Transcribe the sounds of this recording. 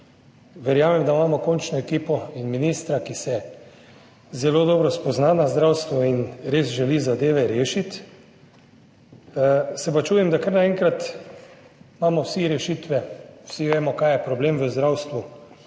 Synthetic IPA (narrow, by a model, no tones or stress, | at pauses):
ʋɛɾjaːmɛmd̪amaːmɔkɔnt͡ʃnɔɛkiːpɔinminiːst̪ɾakisɛ | zɛloːd̪ɔːbɾɔspɔznanazd̪ɾawst̪ʋɔinɾeːzʒɛlizad̪eːʋɛɾeːʃit̪ | sɛpat͡ʃuːjɛmd̪akəɾnaɛŋkɾat̪ | maːmɔwsiɾɛʃiːt̪ʋɛwsiʋeːmɔkaːjɛpɾɔbleːmʋəzd̪ɾawst̪ʋu